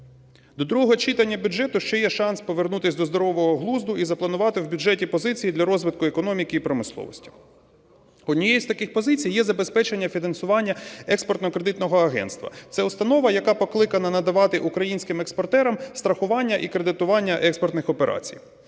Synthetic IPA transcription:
d̪ɔd̪ɾuɦɔɦɔt͡ʃit̪ɐnʲːɐbʲuʒɛt̪ʊʃt͡ʃɛjɛʃɑnspɔʋernut̪ɪsʲd̪ɔzd̪ɔɾɔʋɔɦɔɦlˠuzd̪ʊʔizɐplˠɐnʊʋɑt̪ɪwbʲuʒɛtʲipɔzɪt͡sʲijid̪lʲɐɾɔzʋɪt̪̚kʊekɔnɔmʲikɪipɾɔmɪslˠɔ̰ʋɔ̰sʲtʲi̥ | ɔd̪ʲnʲijɛjisʲt̪ɐkɪxpɔzɪt͡sʲijːɛzɐbespɛt͡ʃenʲːɐfʲinɐnsʊʋɑnʲːɐɛkspɔrt̪nɔkɾed̪ɪt̪nɔɦɔɐɦɛ̰nst̪ʋɐ̰t̪sɛʊst̪ɐnɔʋɐjɐkɑpɔklˠɪkɐnɐnɐd̪ɐʋɑt̪ɪʔukɾɐjinʲsʲkɪmekspɔrt̪ɛɾɐmst̪ɾɐxʊʋɑnʲːɐʔikɾed̪ɪt̪ʊʋɑnʲːɐʔɛkspɔrt̪nɪxɔpeɾʔɑ̰t͡sʲḭj

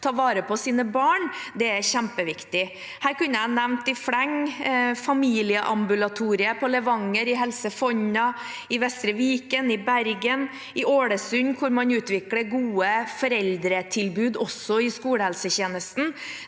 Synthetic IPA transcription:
t̪ʰɑːʋɑːɾəpɔsiːnəbɑːɳd̪ɛæɾçæmpəʋɪkt̪ɪ | hæːɾkʉnːəænɛʋnt̪ɪfɽɛŋfɑmiːlɪəʔɑmbʉlɑt̪ʰuːɾɪəpʰɔləʋɑŋːəɾɪɦɛlsəfɔɲɑ | ɪʋɛst̪ɾəʋiːkənɪbæɾɡən | ɪʔoːɽəsʉɲkʰʊɾmɑɲʉːt̪ʋɪkləɡuːəfɔɾɛld̪ɾət̪ʰɪlbʉːd̪ɔsɔɪskuːləhɛlsəçeːnəst̪n̩

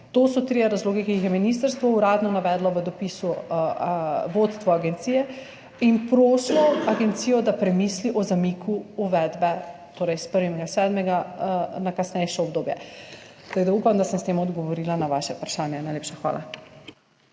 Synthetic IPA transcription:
t̪osɔt̪ɾijaɾazloːɡikijixjɛminist̪əɾst̪ʋɔuɾad̪nɔnaʋɛd̪lɔʋəd̪ɔpisu | ʋot̪st̪ʋɔaɡɛnt̪siːjɛ | inpɾoːslɔaɡɛnt̪sijɔd̪apɾɛmisliʔɔzamikʰuuʋɛd̪bɛt̪oːɾɛjspəɾʋimɛɡasɛd̪mɛɡanakasnɛjʃɛɔb̚d̪oːbjɛ̰ | aɡd̪aupamd̪asɛnst̪eːmɔd̪ɡɔʋɔɾilanaʋaʃɛupɾaʃaːnjɛnajleːpʃaxʋa̰ːla̰

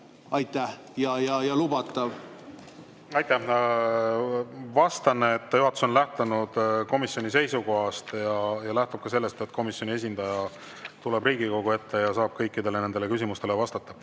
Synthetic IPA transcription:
ɑjt̪ˑːæh | jɑjɑjɑlubɑt̪ːˑɑv | ɑjt̪ːˑæ | vɑst̪ɑnːeːt̪ːjuɦɑt̪ːˑu̥so̞nlæht̪ɑnud̪̥ko̞misjo̞nʲise̞jsuko̞ɦɑst̪jɑjɑlæht̪ub̥̚kɑse̞lːest̪et̪ːˑko̞misjo̞nʲie̞s̬ʲind̪̥ɑjɑ | t̪ule̞briːɡ̥iko̞ɡ̥ue̞t̪ːe̞jɑsɑːb̥̚kɤjkːˑid̪̥elene̞nd̪̥ele̞kysimust̪e̞levɑst̪ɑt̪ːɑ

